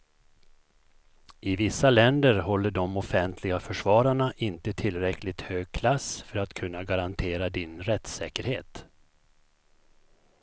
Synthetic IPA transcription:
ʔɪvɪsːalɛnd̪əɾɦɔlːəɖɔmɔfɛnt̪ʰlɪɡafœʂvɑːɾaɳaʔɪnt̪ət̪ʰɪlɾɛkʰlɪt̪høːɡ̚kʰlasfœɾat̪kʰɵnːaɡaɾant̪ʰeːɾad̪ɪnɾɛt̪sɛ̰ːkəɾhḛːt̪

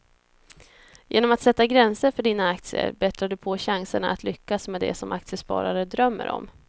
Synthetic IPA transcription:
jʔeːnɔmat̪sɛt̪ːaɡɾɛnsəɾfœɖiːnaak̚t̪sɪə̰ɾbɛt̪ɾaɖɵpʰɔɕaŋsəɳaʔat̪ʰlʏkːasmɛd̪ɛ̰sɔmʔak̚t̪sɪəspɑ̰ːɾaɾəd̪ɾœmːə̰ɾɔ̰m

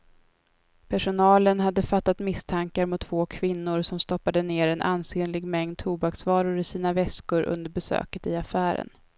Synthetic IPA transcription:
pʰæʂʊnɑːlənɦad̪ːəfat̪ːat̪mɪst̪ʰaŋkaɾmʊt̪ːvoːkʰvɪnːʊɾsɔmst̪ɔpːad̪əneːɾɛnʔa̰nseːnlɪɡmɛŋd̪̚t̪ʰuːbaksvɑːɾʊɾɪsiːnavɛskʊɾʔɵ̰nd̪əɾbɛsø̰ːkət̪ɪafæːɾə̰n

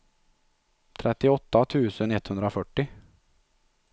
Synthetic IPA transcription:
t̪ʰɾʔɛt̪ːɪɔt̪ːat̪ʰʉ̟ːsənɛt̪ːhɵnd̪ɾafœʈːɪ

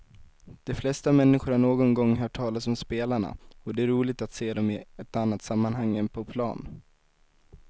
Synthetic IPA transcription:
d̪̥ɔflɛst̪amɛnːɪɧʊɾaɳoːɡɔnɡɔŋːɦœːʈʰːɑːlasɔmspeːlaɳa̰ɔd̪ɛæɾuːlɪɡ̚t̪at̪seːd̪ɔmɪɛt̪anːat̪samːanɦaŋːɛnpʰɔpʰlɑ̰ːn

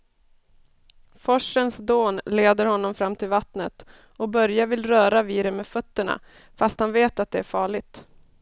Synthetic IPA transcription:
fɔʂənsd̪oːnleːd̪əɾhɔnːɔmfɾamːt̪ʰɪlvat̪nət̪ | ɔbœɾjavɪlɾœːɾaviːɾəmeːfœt̪ːəɳa̰ | fast̪hanveːt̪at̪̚d̪ɛæɾfɑːɭɪt̪

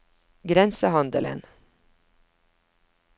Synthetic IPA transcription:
ɡɾɛnsəɦɑnd̪ələ̰n

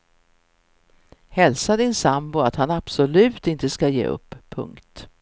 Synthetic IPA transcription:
hɛlsad̪ɪnsambʊat̪hanab̥sɔlʉ̟ːt̪ɪnt̪əskajḛːʔɵ̰pʰːɵ̰ŋkt̪

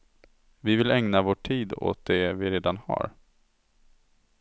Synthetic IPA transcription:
vɪvɪlɛŋnavoːʈʰiːd̪o̰t̪̚d̪ɛvɪɾeːd̪anha̰ɾ

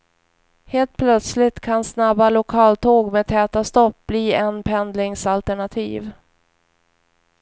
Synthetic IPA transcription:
heːlt̪̚pʰlœt̪slɪt̪kʰansnabalʊkʰɑːlt̪ʰoːɡmeːt̪ʰɛːt̪ast̪ɔp̚bliːɛnpʰɛnd̪lɪŋsalt̪ɛɳat̪ʰḭːv

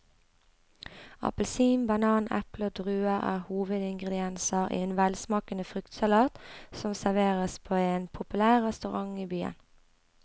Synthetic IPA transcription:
ɑ̰pəlsiːmbɑnɑːnɛ̰ploːd̪ʁʉːəæ̰ːʁhuːʋəd̪ɪŋɡʁəd̪ɪɛnsəʁʔḭːeːnʋɛlsmɑːkənəfʁʏkt̪sɑlɑːt̪sɔmsæʁʋeːʁəspʰoːeːnpʰʊpʉlæːʁʁɛst̪ʉʁɑŋiːbyːə̰n

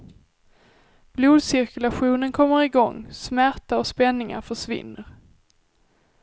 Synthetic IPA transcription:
b̥luːd̪sɪɾkɵlaɧuːnənkʰɔmːəɾɪɡɔ̰ŋːsmæɾt̪aɔspɛnːɪŋa̰fœʂvɪ̰nːəɾ

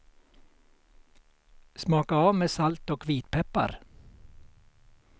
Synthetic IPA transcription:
smɑːkaɑːmeːsalt̪ɔkʰʋiːt̪pʰɛpːa̰ɾ

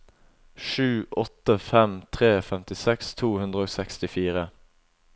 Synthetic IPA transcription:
ʃʉːʔɔt̪əfɛmt̪ʰʁeːfɛmt̪ɪsɛkst̪ʰuːhʉnd̪ʁəoːsɛkst̪ɪfiːʁə

